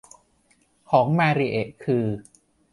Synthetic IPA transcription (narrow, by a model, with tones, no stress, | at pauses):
kʰɔː˩˦ŋmaː˧ɾi˨˧ʔe˨˩ʔkʰɯː˧